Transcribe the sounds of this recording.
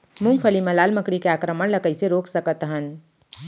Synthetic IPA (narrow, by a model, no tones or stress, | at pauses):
mũŋpʰəlimẽlaːlməkɽikeaːkɾəməɽ̃ləkəiseɾoːksəkət̪ɦən